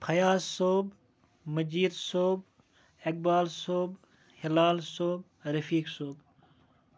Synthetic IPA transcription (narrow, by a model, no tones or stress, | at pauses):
pʰɐjaːsoːb | məd͡ʒiːɾsoːb | ek̚baːlsoːb | hɪlaːlsoːb̚ | ɾəfiːksoːb